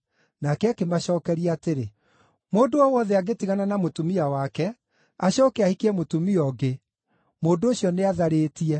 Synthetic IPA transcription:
nakɛakemaɕɔːkɛɾiateɾe | moːndoɔwɔðɛaɡetiɣananamotumiawakɛ | aɕɔːkɛahikeɛmotumiɔɡe | moːndoːɕjɔneaðaɾeːtiɛ

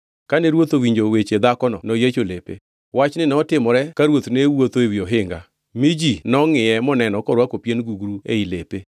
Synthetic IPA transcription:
kanɛɾwot̪owiɲd͡ʒowet͡ʃed̪akɔnɔ̰nɔjet͡ʃolepḛ | wat͡ʃnɪnɛɔtɪmɔɾɛkaɾwot̪newot̪oewjoɦɪŋɡa̰ | mid͡ʒinɔŋɪjɛmɔnɛnɔkɔɾwakopjenɡuɡɾuḛilepe

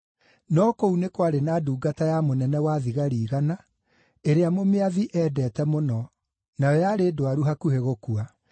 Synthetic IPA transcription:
nɔkounekwaɾenaːduːɡatajamonɛnɛwaðiɣaɾiːɣana | eɾeamomeaðiʔɛːdɛːtɛmonɔ | najɔjaɾeːdowaɾuɦakuheɣokua

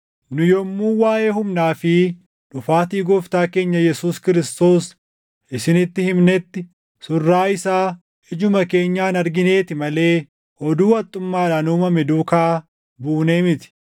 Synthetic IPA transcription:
nʊjɔmːuːwaːʔe̞ːhʊmnaːfɪ | ᶑʊfaːt̪iːɡɔft̪aːke̞ːɲːɐjɛsuːskɪɾɪst̪o̞ːs | ɪsɪnɪt̪ːɪhɪmnɛt̪ːɪ | sʊrːaːɪsaː | ɪd͡ʒʊmɐke̞ːɲːaːnɐɾɡɪne̞ːt̪ɪmɐle̞ː | ʔɔd̪uːɐt̪ʼːʊmːaːlɐnuːmɐmɪd̪uːkaː | buːneːmɪt̪ɪ̥

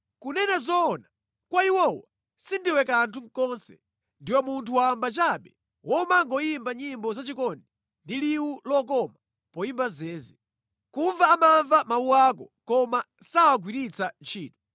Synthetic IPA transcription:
kunɛnazɔna | kwaiwɔwa | sindiwɛkantʰuŋ̩kɔnsɛ̰ | ndiwɔmuntʰuwambat͡ʃaɓɛ | wʔɔmaŋɡɔjimbaɲimbɔzat͡ʃikɔndɛ | ndiliwulɔkɔma | pɔjimbazɛːzi | kuɱvaːmaɱvamawuwakɔ | kɔma | sawak̬wiɾit͡sant͡ʃʰiːtu̥

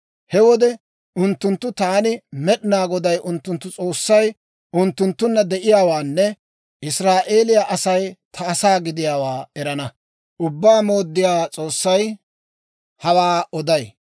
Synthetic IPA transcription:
hɛwɔd̪ɛ | ʔʊnt̪ːʊnt̪ːʊt̪aːnɪmɛɗɪnaːɡɔd̪ɐjʔʊnt̪ːʊnt̪ːʊt͡sʼo̞ːsːɐj | ʔʊnt̪ːʊnt̪ːʊnːɐd̪ɛʔɪjaːwaːnːɛ | ʔɪsɾaːʔe̞ːlɪjaʔɐsɐjt̪ʰɐːsaːɡɪd̪ɪjaːwaːɛɾɐnɐ | ʔʊbːaːmo̞ːd̪ːɪjaːt͡sʼo̞ːsːɐj | hɐwaːɔd̪ɐj

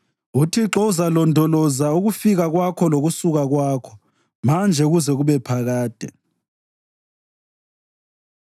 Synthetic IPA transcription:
utʰiǁɔuzalɔndʱɔlɔzauɣufiɣaɣwakʰɔloɣusuɣaɣwaːkʰɔ̥ | mand͡ʒʱɛuɣuzɛɣuβɛpʰaɣaːd̥ʱɛ

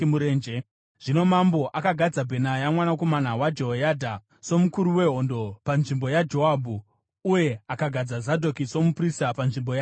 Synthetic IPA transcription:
muɾeːnd͡ʒe | ʐ̥ino̞mambo̞ʔakaɡʱad͡zabʱe̞najamwanako̞manawad͡ʒoɦojadʱa | so̞mukuɾuwe̞ɦo̞ndo̞panʐimbo̞jad͡ʒo̞abʱu | uje̞akaɡʱad͡zazadʱo̞kiso̞mupristapanʐimbo̞ja

